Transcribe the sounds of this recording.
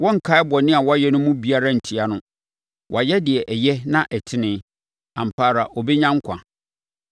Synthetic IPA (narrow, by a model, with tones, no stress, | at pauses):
wɔ̃˦ŋ̩˨kʰa˦ɛ˦bɔ˨nɪ̃˦a˨wɔ˦a˦jɛ˦nʊ̃˦mũ˦bi˦a˦ɾa˦˨n̩˨tʰi˨a˦nʊ̃˦ | wʔɔ̰˨a˨jɛ˦dɪ˨ɛ˨ʔɛ˨jɛ˦nã˦ʔɛ˨tʰɪ˦nɪ̃˦ | ã˨m̩˨pʰaː˦˨ɾa˨ʔɔ˨bɛ˦ɲã˦ŋ̩˦kʷʰã̰˨